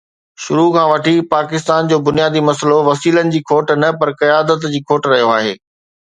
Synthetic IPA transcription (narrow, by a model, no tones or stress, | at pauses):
ʃʊɾukʰãːʋɐʈʰipaːkɪst̪aːnd͡ʑoːbʊnijaːd̪imɐsəloʋɐsiːlənɪ̆d͡ʑiːkʰoːʈnɐpɐɾkɐjaːd̪ət̪d͡ʑiːkʰoːʈɾɐɦijoaːɦḛː